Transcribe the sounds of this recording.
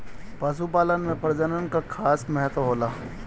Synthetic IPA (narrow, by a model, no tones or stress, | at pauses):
pɐs̬upaːlənmẽpɐɾd͡ʒənənkakʰaːsmɛɦət̪ʋɦoːlaː